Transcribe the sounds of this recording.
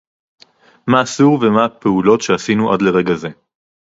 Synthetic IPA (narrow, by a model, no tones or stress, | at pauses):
maːsuʁvemaape̞ulo̞tʃeasinuʔa̰dle̞ʁe̞ɡaze̞